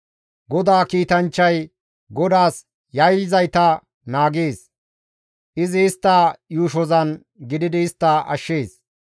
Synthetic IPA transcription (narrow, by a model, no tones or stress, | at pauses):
ɡɔd̪aːkiːt̪ɐnt͡ʃːɐj | ɡɔd̪aːs | jɐjlɪzɐjt̪ɐ | naːɡeːs | ʔɪzɪːst̪ːajuːʃɔzɐn | ɡɪd̪ɪd̪ɪɪst̪ːɐʔɐ̰ʃːeːs